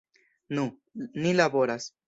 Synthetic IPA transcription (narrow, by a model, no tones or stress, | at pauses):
nũ | nilaboɾas